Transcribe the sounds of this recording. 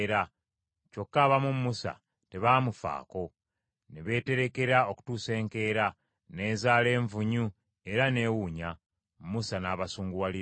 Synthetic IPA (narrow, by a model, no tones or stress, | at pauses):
ɾa | co̞kːaːβamumːusa̰ | te̞βaːmufa̰ːko̞ | neβe̞ːte̞ɾe̞ke̞ɾao̞ku̥tuːse̞ːŋke̞ːɾa | ne̞ːzaːle̞ːɱvuɲu | e̞ɾane̞ːwuːɲa | mmusanaːβasuːŋɡuwali